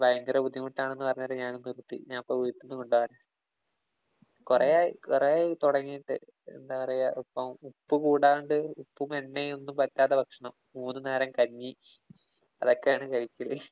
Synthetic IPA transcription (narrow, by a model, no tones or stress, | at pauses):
ʋɐjnɡ̪ɐɾɐbud̪ʱimuʈːaːɳenːɨpɐrɐɲːaɐːɾeɲaːnumnirut̪ːḭɲaːnipːoujt̪ːunːɨkoɳɖaɐɾɐ | kurejaːjikurejaːjit̪uɽɐŋːiːʈːɨ̰ | ḛnd̪aːpɐrɐjaʔɐpːɐmupːɨkuːɽaːʋuɳɖɨupːumenːejonːumpɐtːaːt̪ːɐbʱɐkʂɐɳɐmːuːnːɨneːɾɐmkɐɲːi | ɐ̰ðo̞kːejaːɳɨkɐɻikʲːili